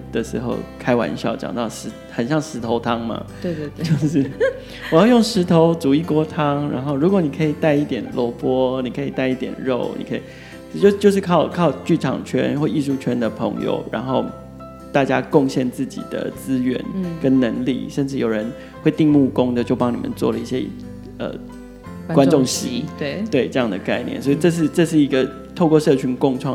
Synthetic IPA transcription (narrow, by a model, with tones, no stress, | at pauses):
d̪̥ə˨ʂɻ̩˧˥xo˥˩ʊkʰa˥ɪwa̰˧˥˦nɕjɑ̰˥˩ʊt͡ɕjɑ̰˨˩ŋt̪ɑ˥˩ʊʂɻ̩˧˥ | xə˨˩nɕjɑ˥˩ŋʂɻ̩˧˥t̪ʰo˧˥ʊt̪ʰɑ˥ŋma̰˧ | e˥˧˥t͡ɕt͡ɕjo˥˧ʊʂ̩˥˩ | ɔ˨˩jɑ˥˧ʊjo˥˩ŋʂɻ̩˧˥t̪ʰo˧˦ʊt͡su˨˥i˥˩kwɔ˥t̪ʰɑ˥ŋɻa̰˧˥nxo˥˩ʊɻu˧˥kwɔ˧˥ni˨˩kʰə˧˥i˨˩t̪a˥˧ɪi˥˩t̪jɛ˨˩nlɔ˧˥pwɔ˥ni˨˩kʰə˧˥i˨˩t̪a˥˧ɪi˥˩t̪jɛ̰˨˩nɻo˥˨˩ʊnḭ˨˩kʰə˧i˨˩ | t͡ɕjt͡ɕjo˥˧ʂɻ̩˥˧kʰɑ˥˧ʊkʰɑ˥˧ʊt͡ɕy˥˩ʈ͡ʂʰɑ̰˨˩ŋt͡ɕʰɥɛ̰˦˥nxwɔ˥˩i˥˧ʂu˥˧˩t͡ɕʰɥɛ˥nd̪ə˨pʰɤ̰˧˦ŋjo̰˨˩ʊɻa̰˧˥nxo˥˧ʊ | t̪a˥˩t͡ɕja˦kʊ˥˧ŋɕjɛ˥˧nt͡sɹ̩˥˩t͡ɕḭ˨˩d̪̥ə̰˦t͡sɹ̩˥˦ɥɛ̰˧˥nkə˦nnə˧˥ŋlḭ˥˨˩ʂə˥˧nʈ͡ʂɻ̩˥˩jo˨˩ʊɻə˧˦n | xwe˥˧ɪt̪i˥˧ŋmu˥˩kʊ˥ŋd̪ə˨t͡ɕjo˥˩ʊpɑ˦ŋni˨˩ʔə̰˨nt͡swɔ̰˥˩lə˩i˥˩ɕjɛ˦˥ | ə̰˨˩ | kwa˥nʈ͡ʂʊ˥˨ŋɕi˧˥t̪we˥˩ɪʈ͡ʂɤ˥˧jɑ˥˨˩ŋd̪ə˩ka˥˧ɪnjɛ̰˥˨nswɔ˧˥i˨˩ʈ͡ʂɤ˥˧ʂ̬ɻ̩˥˧ʈ͡ʂɤ˥˧ʂ̬ɻ̩˥˩i˧˥ɡə˨ | t̪ʰo˥˧ʊkwɔ˥˧ʂɤ˥˩t͡ɕʰy˧˥nkʊ˥ŋʈ͡ʂʰwɑ˥˨ŋ